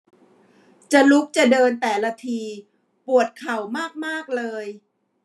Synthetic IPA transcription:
t͡ɕa˨˩lu˦˥k̚t͡ɕa˨˩dɤː˧nt̪ɛː˨˩la˦˥t̪ʰiː˧ | pu˨˩ət̪̚kʰa˨˩wmaː˥˩k̚maː˥˩k̚lɤː˧j

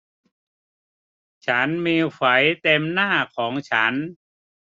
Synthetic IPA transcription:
t͡ɕʰa˦˥nmiː˧fa˩˦jt̪e˧mnaː˥˩kʰɔː˩˦ŋt͡ɕʰa˦˥n

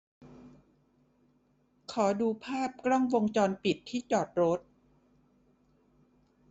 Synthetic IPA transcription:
kʰɔː˩˦duː˧pʰaː˥˩p̚kɾɔ˥˩ŋwo˧ŋt͡ɕɔː˧npi˨˩t̪ʰːiː˥˩t͡ɕɔː˨˩t̪̚ɾo˦˥t̪̚

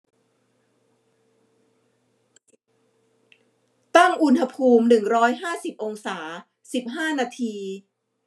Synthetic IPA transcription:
t̪a˥˩ŋʔu˧nha˧pʰuː˧mnɯ˨˩ŋɾɔː˦˥jɦaː˥˩si˨˩p̚ʔo˧ŋsaː˩˦ | si˨˩p̚ɦaː˥˩naː˧t̪ʰiː˧

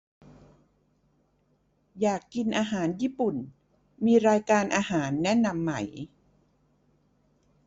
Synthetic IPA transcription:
jaː˨˩kːi˧nʔaː˧ɦaː˩˦njiː˦˥˩pu˨˩n | miː˧ɾaː˧jkaː˧nʔaː˧ɦaː˩˦nːɛ˦˥na˧mːa˩˦j

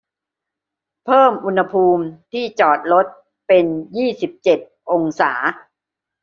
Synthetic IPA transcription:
pʰɤː˥˩mʔu˧nha˧pʰuː˧mt̪ʰiː˥˩t͡ɕɔː˨˩t̪̚ɾo˦˥t̪̚ | pe˧njiː˥˩si˨˩p̚t͡ɕe˨˩t̪̚ʔo˧ŋsaː˩˦

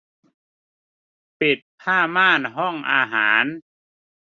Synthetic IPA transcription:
pi˨˩t̪̚pʰaː˥˩maː˥˩nɦɔ˥˩ŋʔaː˧ɦaː˩˦n

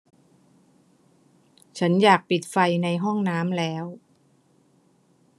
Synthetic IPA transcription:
t͡ɕʰa˦˥njaː˨˩k̚pi˨˩t̪̚fa˧jna˧jɦɔ˥˩ŋnaː˦˥mlɛː˦˥w

